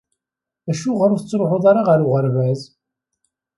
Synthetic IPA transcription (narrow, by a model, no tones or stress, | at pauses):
æʃuʁɾʊθət͡sːɾoħʊðˤaɾaʁəɾuʁəɾvæz